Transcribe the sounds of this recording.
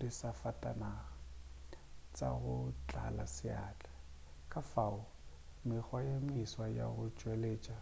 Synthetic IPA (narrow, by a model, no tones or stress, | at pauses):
disafatʼanaːɣa | t͡sʼa̰ɣʊt͡ɬʼa̰lasɪa̰ːt͡ɬʼḁ | kʼafaʊ | mɪk͡xwajemɪswaja̰ɣʊt͡ʃʼweleːt͡ʃʼa